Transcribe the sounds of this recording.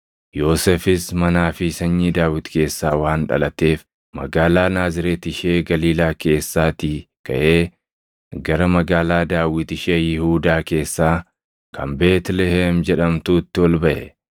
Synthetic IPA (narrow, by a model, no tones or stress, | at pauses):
jo̞ːsɛfɪsmɐnaːfɪsɐɲːiːd̪aːwɪt̪ke̞ːsːaːwaːnᶑɐ̰lɐt̪e̞ːf | mɐ̰ɡaːlaːnaːzɪɾeːt̪ɪʃe̞ːɡɐliːlaːke̞ːsːaːt̪ɪ | kɐʔeː | ɡɐɾɐmɐɡaːlaːd̪aːwɪt̪ɪʃeːjɪhuːd̪aːke̞ːsːaː | kʰɐ̰mbe̞ːt̪lɛheːmd͡ʒɛᶑɐmt̪uːt̪ːɪwɔlbɐʔɛ